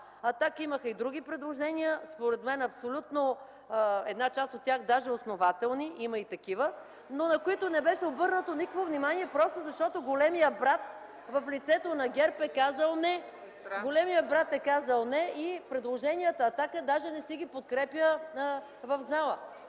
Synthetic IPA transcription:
ɐt̪akiməxəid̪ɾuɡ̟ipɾɛd̪lˠoʒɛnijəspoɾɛt̪mɛnɐpsolʲut̪no | ɛd̪nat͡ʃast̪ot̪̚ːʲaxd̪aʒɛosnovat̪ɛlˠniʔimɐit̪ɐkivə | nonɐkoit̪onɛbɛʃɛobɤɾnət̪onikəkvovnimaniɛpɾɔst̪ozɐʃt̪ɔt̪oɡolɛmijəbɾat̪ | vɐflit̪sɛt̪onɐɡʲɛɾpɛkazəlˠnɛ | ɡolɛmijəbɾat̪ɛkazəlˠnɛipɾɛd̪lˠoʒɛnʲiət̪əːt̪akəd̪aʒɛnɛsɛɡʲipot̪̚kɾɛpjə | vɐvzalˠə

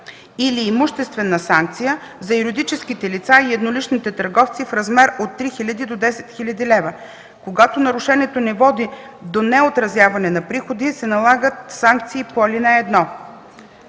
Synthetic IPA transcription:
iliːmʊʃt̪ɛst̪vɛnəsaŋk̚t̪sijə | zɐjuɾid̪it͡ʃɛskit̪ɛlit̪saiɛd̪nolit͡ʃnit̪ɛt̪ɐɾɡɔft̪sifɾɐzmɛɾot̪ːɾixilʲəd̪id̪od̪ɛsɛ̥t̪xilʲɐd̪ilɛvə | koɡat̪onɐɾʊʃɛniɛt̪onɛvɔd̪i | d̪onɛot̪ɾɐzjavɐnɛnɐpɾixod̪isɛnɐlˠaɡət̪saŋk̚t̪siːpoɐlinɛːd̪nɔ

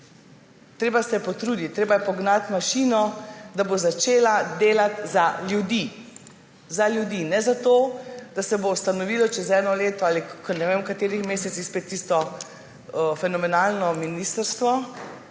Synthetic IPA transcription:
t̪ɾeːbasɛpɔt̪ɾud̪it̪̚tːɾeːbajɛpɔɡnat̪maʃiːnɔd̪abozat͡ʃeːlad̪eːlat̪zaljud̪i | zaljud̪inɛzat̪oːd̪̥asɛbowst̪anɔʋiːlɔt͡ʃɛzɛːnɔleːt̪ɔalikɔnɛʋemkat̪eːɾixmeːsɛt̪sixspeːt̪ːist̪ɔ | fɛnɔmɛnalnɔminist̪əɾst̪ʋɔ

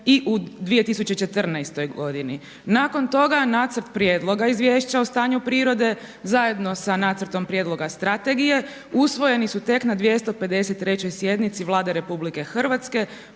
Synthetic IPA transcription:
iʔud̪ʋije̞t̪isut͡ɕe̞t͡ʃe̞t̪r̩najst̪o̞jɡo̞d̪ini | nako̞nt̪o̞ɡanaːt̪sɾt̪pɾje̞ːd̪lˠo̞ɡaizʋje̞ːʃt͡ɕaost̪aːɲupɾiːɾo̞d̪e̞ | zajed̪no̞sanaːt̪səɾt̪o̞mpɾje̞ːd̪lˠo̞ɡast̪ɾat̪e̞ɡije̞ | usʋo̞je̞nisut̪e̞knad̪ʋje̞st̪o̞pe̞d̪e̞set̪ːɾe̞t͡ɕo̞jsje̞d̪nit̪siʋlˠaːd̪e̞ɾe̞publike̞xr̩ʋat̪ske̞

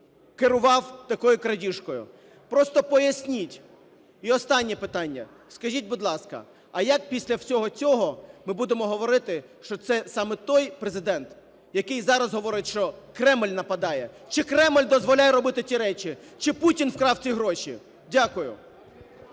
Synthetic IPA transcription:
keɾʊʋɑwt̪ɐkɔjʊkɾɐdʲiʃkɔjʊ̰ | pɾɔst̪ɔpɔjɐsʲnʲitʲ | iɔst̪ɑnʲːipɪt̪ɑnʲːɐ̰ | skɐʒʲitʲbud̪lˠɑskɐ̰ | ɐjɐk̚pʲisʲlʲɐwsʲɔɦɔt͡sʲɔɦɔmɪbud̪emɔɦɔʋɔɾɪt̪ɪʃt͡ʃɔt̪sɛsɑmɛt̪ɔjpɾezɪd̪ɛnt̪ | jɐkɪjzɑɾɐzɦɔʋɔɾɪtʲʃt͡ʃɔkɾɛmlʲnɐpɐd̪ɑjɛ | t͡ʃɪkɾɛmlʲd̪ɔzʋɔlʲajɛɾɔbɪt̪ɪt͡sʲiɾɛt͡ʃi | t͡ʃɪputʲinfkɾɑwt͡sʲiɦɾɔʃʲi | dʲakʊjʊ̰

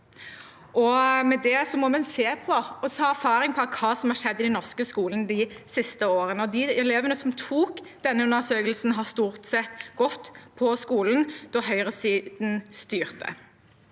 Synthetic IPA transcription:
ʔɔmɛd̪ɛsɔmɔmɛnseːpʰɔɔshɑːæɾfɑːɾɪŋpʰɔɑkʰɑːsɔmhɑɾʂɛd̪ːɪd̪ɛnɔʁskəskuːlənəd̪ɪsɪst̪əoːɾənəɔd̪ɪɛleːʋənəsɔmt̪ʰuːkd̪̥ɛnːəʉnəʁsøːkəlsn̩ɦɑst̪uːʁt̪sɛt̪ɡɔt̪ːpʰɔskuːlənd̪̥ɔːɦœʏʁəsiːd̪̥n̩st̪yːʁt̪ə̰

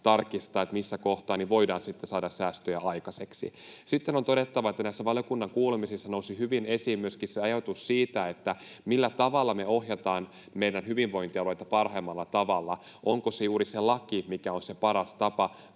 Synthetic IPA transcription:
t̪ɑrkist̪ɑːet̪misːækoht̪ɑːniʋo̞jdɑːnsit̪ːesɑːdɑssæːst̪øjæɑjkɑseksḭsit̪ːenont̪oɾet̪ːɑʋɑet̪ːænæisːæʋɑljokunːɑŋkuːlemisisːɑnousihyʋine̞siːmmyøskisseɑjot̪usːiːt̪æet̪ːæ | milːæt̪ɑʋɑlːɑmeo̞hjɑt̪ɑːn | meidænhyʋiʋʋo̞int̪iɑlojt̪ɑpɑrhɑimːɑlːɑt̪ɑʋɑlːɑ | ʔoŋkosejuːɾiselɑkimikæonsepɑɾɑst̪ɑpɑ

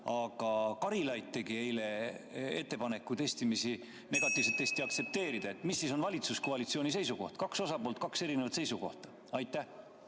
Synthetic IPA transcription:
ɑɡ̥ɑkɑɾilɑjt̪t̪ːe̞ɡ̥ie̞jle̞e̞t̪ːe̞pɑne̞kːˑut̪e̞st̪imisi | ne̞ɡ̥ɑt̪ːˑiːvset̪ːe̞st̪iɑk̚t̪se̞p̚t̪e̞ːɾid̪̥ɑe̞t̪ːmisːiso̞nvɑlʲit̪suskoɑlit̪sio̞ːnʲisejsuko̞ht̪kɑkso̞sɑpo̞ːlt̪̚kɑkse̞ɾine̞vɑt̪se̞jsuko̞̰ht̪ɑ̥ | ɑjt̪ːˑæh

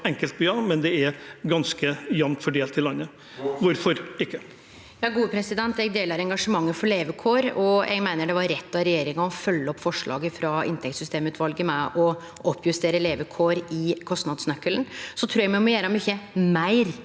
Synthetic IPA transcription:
ɛŋkəlt̪̚byːɑmɛnd̪ɛɛɾɡɑnskəjɛmt̪fɔɖeːlt̪ʰɪlːɑnːə | ʋʊɾfɔɾɪkːə | jɑːɡuːəpʰɾɛsɪd̪ɛnt̪ɛɡd̪eːləɾɛŋɡɑʂəmɑŋːəfɔɭeːʋəkʰoːɾɔjʔɛ̰ɡmæɪnəɖɛʋɑɾɾɛt̪ːɑɾɛjeːɾɪŋɑɔfœlːəɔpːfɔʂɭɑ̰ːɡəfɾɑɪ̰nt̪ʰɛk̚t̪sʏst̪eːmʉːt̪ʰʋɑlɡəmɛʔɔ | ɔpːjʉst̪eːɾəleːʋəkʰoːɾɪkʰɔst̪nɑd̪snœkːəlnsɔt̪ʰɾuːjæɡmɛmɔjæːɾɑmʏçːəmæɪɾ

